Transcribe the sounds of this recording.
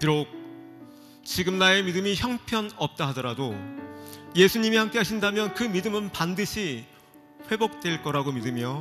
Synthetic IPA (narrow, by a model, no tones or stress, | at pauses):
kiɾok̚ | t͡ɕiɡɯmnae̞midɯmiçjʌŋpʰjʌnʌp̚t͈aɦadʌɾado | je̞sʰuɲimihamk͈e̞ɦaɕʰindamjʌnkɯmidɯmɯnpandɯɕʰi | ɸwe̞bok̚t͈we̞ɭk͈ʌɾaɡomidɯmijo